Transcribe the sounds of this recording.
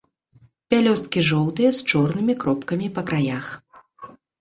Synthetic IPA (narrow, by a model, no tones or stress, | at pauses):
pʲalʲɔst̪̚kʲiʐɔwt̪ɨjɐst͡ʂɔrnɨmʲikɾɔpkɐmʲipɐkɾajax